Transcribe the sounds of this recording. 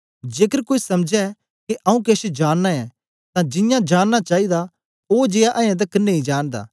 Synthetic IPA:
d͡ʒeːkəɾkoːisɐmd͡ʒɛ | keʔɐũkeːʃed͡ʒaːnːaɛ | t̪ãd͡ʒɪ̃jãd͡ʒaːnːat͡ʃaːid̪a | od͡ʒeːaʔɐ̃ãt̪̬ɐkːɐnːeĩd͡ʒaːnd̪a̰ː

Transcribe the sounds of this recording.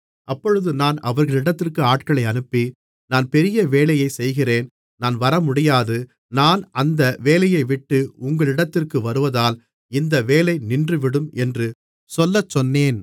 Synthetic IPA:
ʔɐpːɔɻɯðɯnaːnɐʋɐɾɣɐɭɪɽɐt̪ːɪrkɯaːʈkɐɭɐɪɐnɯpːi | naːnpɛɾɪjɐʋeːlɐjɐɪsɛjɣɪreːn | naːnʋɐɾɐmʊɽɪjaːðɯ | naːnɐnd̪ɐʋeːlɐjɐɪʋɪʈːɯʊŋɡɐɭɪɽɐt̪ːɪrkɯʋɐɾɯʋɐðaːl | ɪnd̪ɐʋeːlɐɪnɪndrɯʋɪɽɯmɛndrɯ | sɔlːɐt͡ʃːɔnːeːn

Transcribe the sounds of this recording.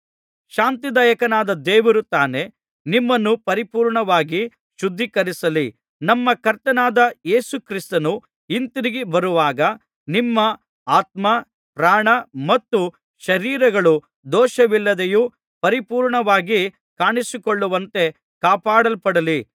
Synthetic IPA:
ʃaːnt̪id̪ɐːjɐkɐnaːd̪ɐd̪ɛːʋɐɾut̪aːne̞ | nimːɐnːupɐɾipuːɾɳɐʋaːɡi | ʃud̪ʱːikɐɾisɐli | nɐmːɐkɐɾt̪ɐnaːd̪ɐjeːsukɾist̪ɐnu | int̪iɾiɡibɐɾuʋaːɡɐ | nimːɐ | aːt̪̚mɐ | pɾaːɳɐmɐt̪ːu | ʃɐɾiːɾɐɡɐɭu | d̪ɔːʃɐʋilːɐd̪eju | pɐɾipuːɾɳɐʋaːɡi | kaːɳisikoɭːuʋɐnt̪e̞ | kaːpaːɽɐlpɐɽɐli

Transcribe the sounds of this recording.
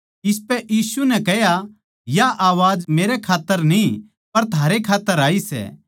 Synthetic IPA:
ɪs̬pɛʔiːsunɛ̃kɛɦja | jaʔaːʋaːd͡ʒmeːɾɛkʰaːt̪ːəɾnĩ | pɐɾt̪ʰaːɾekʰaːt̪ːəɾaːisɛ̰ː

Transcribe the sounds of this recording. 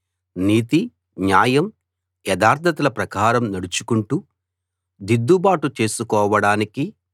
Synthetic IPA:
niːt̪i | ɲaːjɐm | jɛd̪aːɾd̪ʰʱɐt̪ɐlɐpɾɐkaːɾɐmnɐɽut͡ʃu̥kuɳʈu | d̪id̪ːubaːʈut͡ʃe̞ːsukɔːʋɐɽaːniki

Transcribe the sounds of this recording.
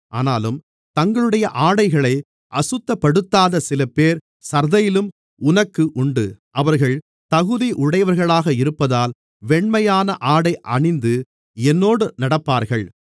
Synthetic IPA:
ʔaːnaːlɯm | t̪ɐŋɡɐɭɯɽɐjɐʔaːɽɐɪɣɐɭɐɪ | ʔɐsɯt̪ːɐpːɐɽɯt̪ːaːðɐsɪlɐpːeːɾ | sɐɾðɐjɪlɯm | ʊnɐkːɯʔʊɳɖɯ̰ʔɐʋɐɾɣɐɭ | t̪ɐɣɯðiʔʊɽɐjɐʋɐɾɣɐɭaːɣɐɪɾɯpːɐðaːl | ʋɛɳmɐjaːnɐʔaːɽɐɪʔɐɳɪnd̪ɯ | ɛnːoːɽɯnɐɽɐpːaːɾɣɐɭ

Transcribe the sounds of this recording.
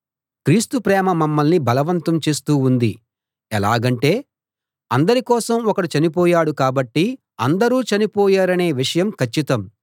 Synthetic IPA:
kɾiːst̪upɾɛːmɐmɐmːɐlnibɐlɐʋɐnt̪ɐmt͡ʃe̞ːst̪uːund̪i | ɛlaːɡɐɳʈe̞ː | ɐnd̪ɐɾikɔːsɐmɔkɐɽit͡ʃɐnipɔːjaːɽukaːbɐʈːi | ɐnd̪ɐɾuːt͡ʃɐnipɔːjaːɾɐne̞ːʋiʂɐjɐmkʰɐt͡ʃːit̪ɐm

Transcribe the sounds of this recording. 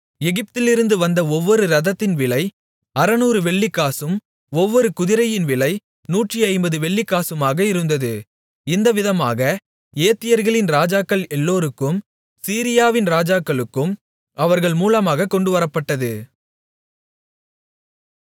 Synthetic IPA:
ɛɣɪp̚t̪ɪlɪɾɯnd̪ɯʋɐnd̪ɐɔʋːɔɾɯɾɐðɐt̪ːɪnʋɪlɐɪ | ɐɾɐnuːɾɯʋɛɭːɪkːaːsɯm | ɔʋːɔɾɯkʊðɪɾɐjɪnʋɪlɐɪ | nuːʈriɐɪmbɐðɯʋɛɭːɪkːaːsɯmaːɣɐɪɾɯnd̪ɐðɯ | ɪnd̪ɐʋɪðɐma̰ːɣɐ | eːt̪ːɪjɐɾɣɐɭɪnɾaːd͡ʒaːkːɐɭɛlːoːɾɯkːɯm | siːɾɪjaːʋɪnɾaːd͡ʒaːkːɐɭɯkːɯm | ɐʋɐɾɣɐɭmuːlɐmaːɣɐkːɔɳɖɯʋɐɾɐpːɐʈːɐðɯ

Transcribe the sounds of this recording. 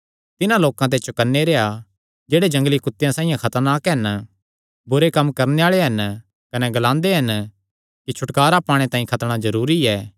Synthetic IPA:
t̪ɪnãloːkãt̪̬et͡ʃʰʊkɐnːeɾeːɦa | d͡ʒeːɽed͡ʒɐ̃ŋɡlikʊt̪ːjãsaːĩjãkʰɐt̪əɾnaːkɦɐn | bʊɾekɐmːkɐɾneaːɭeɦɐn | kɐnɛɡlãːnd̪eɦɐn | kit͡ʃʰʊʈkaːɾapaːɽ̃et̪ãːĩkʰɐt̪ɽ̃azɐɾuːɾiɛː

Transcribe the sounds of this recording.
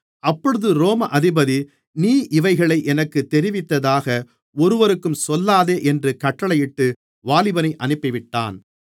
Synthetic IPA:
ʔɐpːɔɻɯðɯɾoːmɐʔɐðɪbɐði | niːʔɪʋɐɪɣɐɭɐɪʔɛnɐkːɯt̪ːɛɾɪʋɪt̪ːɐðaːɣɐ | ɔɾɯʋɐɾɯkːɯmsɔlːaːðeːʔɛndrɯkɐʈːɐɭɐjɪʈːɯ | ʋaːlɪbɐnɐɪʔɐnɯpːɪʋɪʈːa̰ːn

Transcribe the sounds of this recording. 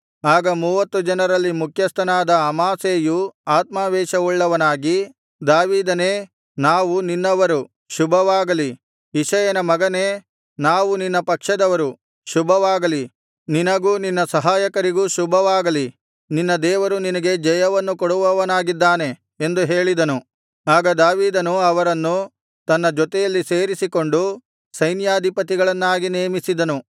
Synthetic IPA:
aːɡɐmuːʋɐt̪ːud͡ʒɐnɐɾɐlːimukʰjɐst̪ʰɐnaːd̪ɐːmaːseːjuaːt̪maːʋɛːʃɐuɭːɐʋɐnaːɡi | d̪aːʋiːd̪ɐneː | naːʋuninːɐʋɐɾu | ʃubʱɐʋaːɡɐli | iʃɐjɐnɐmɐɡɐneː | naːʋuninːɐpɐkʂɐd̪ɐʋɐɾu | ʃubʱɐʋaːɡɐli | ninɐɡuːninːɐsɐɦaːjɐkɐɾiɡuːʃubʱɐʋaːɡɐli | ninːɐd̪ɛːʋɐɾuninɐɡe̞d͡ʒɐjɐʋɐnːukoɽuʋɐʋɐnaːɡid̪ːaːne̞ | end̪uɦe̞ːɭid̪ɐnu | aːɡɐd̪aːʋiːd̪ɐnuɐʋɐɾɐnːu | t̪ɐnːɐd͡ʒɔt̪ɛjɐlːise̞ːɾisiko̞ɳɖu | sɐjnjaːd̪ʱipɐt̪iɡɐɭɐnːaːɡineːmisid̪ɐnu

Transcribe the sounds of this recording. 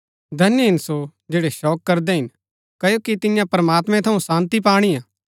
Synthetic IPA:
d̪ʱɐnjəɦɪnsod͡ʒeːɽeʃɔːkːɐɾd̪ɛɦɪn | kɐjokit̪ɪjãpɾɐmaːt̪mɛ̃t̪ʰɐũsãːnt̪ip̬aːɽ̃ijãː

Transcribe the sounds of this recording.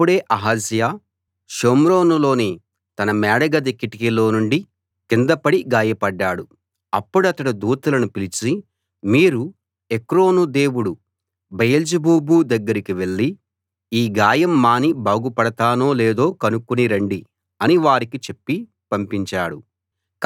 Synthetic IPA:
ɐpːuɽe̞ːʔɐɦɐsjaː | ʃoːmɾo̞ːnulo̞ːni | t̪ɐnɐmɛːɽɐɡɐd̪ekːiʈikilo̞ːnuɳɖi | kind̪ɐpɐɽiɡaːjɐpɐɖːaːɽu | ɐpːuɽɐt̪ɐɽɐd̪uːt̪ɐlɐnupilit͡ʃi | miːɾu | ekɾo̞ːnud̪e̞ːwuɽu | bɐjɐld͡ʒɐbuːbuːd̪ɐɡːɐɾikiʋe̞ɭːi | iːɡaːjɐmːaːnibaːɡupɐɽɐt̪aːno̞ːleːd̪o̞ːkɐnukːuniɾɐɳɖi | ɐniʋaːɾikit͡ʃe̞pːi | pɐmpiɲt͡ʃaːɽu

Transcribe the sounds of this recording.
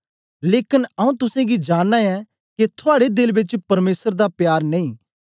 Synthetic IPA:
leːkɪnɐũt̪ʊsẽɡid͡ʒaːnːãɛ | ket̪ʰʊaːɽed̪ɪlbɪt͡ʃpɐɾmeːsəɾd̪apjaːɾneĩː

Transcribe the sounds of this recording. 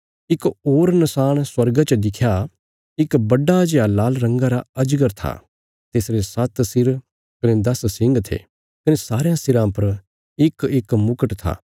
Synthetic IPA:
ɪkoːɾnɐsaːɽ̃swɐɾɡat͡ʃəd̪ɪkʰja | ɪkbɐɖad͡ʒjalaːlɾɐ̃ŋɡaɾaɐd͡ʒɡəɾt̪ʰa̰ | t̪eːsɾesɐt̪sɪɾ | kɐned̪ɐssɪ̃ŋɡt̪ʰḛː | kɐnesaːɾjãsɪɾãpɐɾ | ɪkekmʊkəʈt̪ʰa̰ː

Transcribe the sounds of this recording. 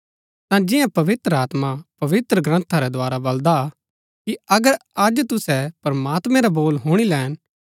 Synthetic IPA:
t̪ãd͡ʒɪjãpɐʋɪt̪ɾəaːt̪mapɐʋɪt̪ɾəɡɾɐ̃nt̪ʰaɾɛd̪ʊaːɾabɐld̪a | kiɐɡəɾad͡ʒt̪ʊsɛpɐɾmaːt̪mɛ̃ɾaboːlɦoːɽ̃ilɛːn

